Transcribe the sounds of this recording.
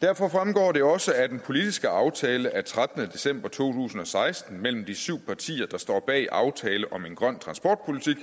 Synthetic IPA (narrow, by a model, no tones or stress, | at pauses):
d̥æɐ̰fɒ̽fʁamɡ̥ɒ̰ːd̥e̝ɒ̽səæd̥enpʰo̝lid̥isɡ̥əɑ̈ʊt͡sʰɛːləʔæt͡sʰʁad̥ənəd̥e̝sem̰b̥ɐt͡sʰo̝̰ːt͡sʰṵːsn̩ɒ̽sɑ̈ɪsd̥n̩mel̰m̩d̥isyʊ̰pʰɑ̈t͡sʰḭːɐd̥ɑ̈sd̥ɒ̰ːb̥ɛ̰ːiʔɑ̈ʊt͡sʰɛːləʔɒ̽me̝nɡ̥ʁɶn̰t͡sʰʁɑ̈nsb̥ɒːd̥̚pʰo̝lit͡sʰiɡ̥